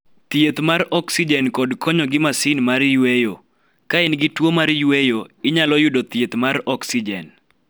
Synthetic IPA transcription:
t̪jet̪maɾɔksid͡ʒɛnkɔdkʰɔɲɔɡɪmasɪnmaɾjwejo | kaɛnɡɪtwomaɾjwejoɪɲalɔjʊdot̪jet̪maɾɔksid͡ʒɛ̰n

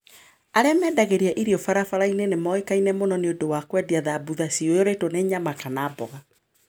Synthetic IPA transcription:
aɾɛamɛːdaɣeɾiaʔiɾiɔfaɾafaɾainenemɔekainɛmonɔneondowakwɛdiaðabuðasiojɔɾetoneɲamakanaːbɔɣa

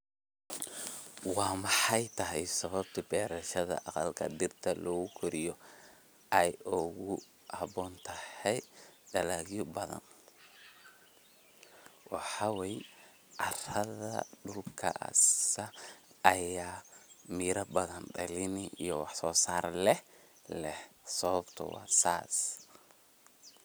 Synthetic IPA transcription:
wɑːmɑħɑjt̪ʰɐɦɛjsɐβɐbt̪ʰibɛːɾɐʃɐðɐ̰ʔɑqɑlkʰɐ̰d̪ɪrt̪ʰɐlɔːɣʊkʰʊɾɪjɔ | ʔɛjʊɣʊ | hɐbɔːnt̪ʰɐhɛjɖɐlaɣjɔbɐðɐ̰n | wɑħɑwɛj | ʕɑrɐðɐ̰ɖʊlkʰɐ̰ʔɐ̰sɐɐjaːmiːɾɐbɐðɐnɖɐlɪnɪʔijɔwɑħsɔːsaːɾlɛh | lɛhsɔβɐbt̪ʰɔ̰wɑ̰ːsaːs

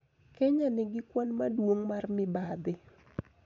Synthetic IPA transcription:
kɛɲanɪɡɪkwanmadwoŋmarmɪbad̪ɪ

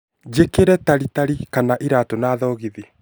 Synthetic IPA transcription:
d͡ʒekeɾɛtaɾitaɾikanaʔiɾatonaːðɔɣiðe

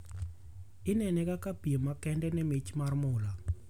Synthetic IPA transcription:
ɪnɛnɛkakapiemakɛndɛnɛmit͡ʃmarmʊla

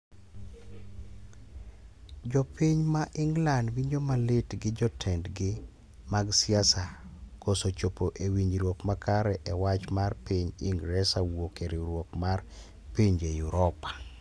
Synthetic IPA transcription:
d͡ʒɔpiɲmaʔɪŋɡlandwiɲomalɪtɡɪd͡ʒɔtʰɛndɡɪ | maɡsjasakosot͡ʃopoʔewiɲɾwokmakaɾɛʔɛwat͡ʃmarpiɲḭŋɡɾɛsawokeɾiɾwokmar | piɲejuɾɔpḁ

